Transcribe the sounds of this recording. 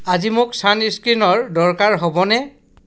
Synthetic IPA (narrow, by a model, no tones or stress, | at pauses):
azimʊksaniskɹinɔɹdɔɹkaɹɦɔbɔnɛ